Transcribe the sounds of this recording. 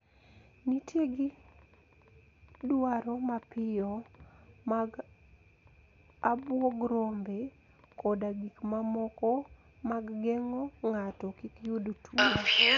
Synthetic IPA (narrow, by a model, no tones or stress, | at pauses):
nitjeɡɪ | dwaɾɔmapɪjɔ | maɡ | abwɔɡɾombe | kɔdaɡikmamɔkɔ | maɡːɛŋɔŋatɔkikjudotʰu